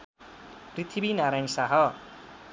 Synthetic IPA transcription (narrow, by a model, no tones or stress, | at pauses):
prit̪ʰibinaɾajnsaɦʌ